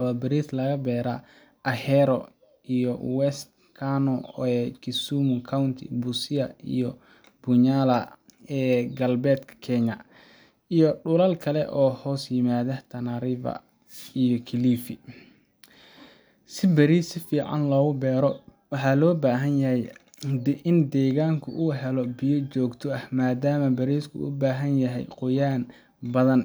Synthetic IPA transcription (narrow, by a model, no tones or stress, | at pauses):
ɐwɐbɐɾiːθlɐɣɐbɛːɾɐ | ʔɐhɛɾɔ | ʔijɔwɛst̪ | kʰanɔɛkʰɪsumʊkʰawnt̪ʰɪ̰busɪɐḭjɔ | bʊɲaːlɐɛːɡɐlbɛːd̪kʰɐ̥kʰɛɲɐ | ijɔɖʊlɐlkʰɐlɛ̰ʔɔːhɔːsjɪmaːðɐt̪ʰɐnaɾɪvɐ̰ | ijɔkʰɪliːfɪ | sɪbɐɾiːsɪfiːʕɑ̰nlɔːɣʊbɛːɾɔ | wɑħɑːlɔːbaːɦɐnjɐhɛj | ʔɪnd̪ɛːɣaːŋkʰʊ̰ʔʊːɦɛlɔbɪjɔt͡ʃɔːɡt̪ʰɔɐhmaːd̪aːmɐbɐɾiːskʰʊ̰ʊ̰baːɦɐnjɐɦɛ̰jqʊjaːn | bɐðɐn